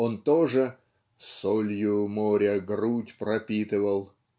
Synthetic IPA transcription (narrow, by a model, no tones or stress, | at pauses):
ont̪oʐɨ | solʲjʊmoɾʲəɡrutʲpɾɐpʲit̪ɨvəlˠ